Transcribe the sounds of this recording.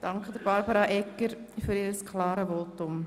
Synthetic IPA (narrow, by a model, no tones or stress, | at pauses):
d̥ɑŋkχədəɾb̥ɑɾbəɾɑʔɛkːəɾ | fyɾiːɾəskʰlɑːɾəvoːtʊm